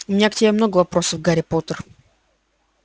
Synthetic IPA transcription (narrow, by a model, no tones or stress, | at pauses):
ʊmɪnʲaktʲɪbʲemnoɡəvɐpɾosəvɡaɾʲɪpot̪ər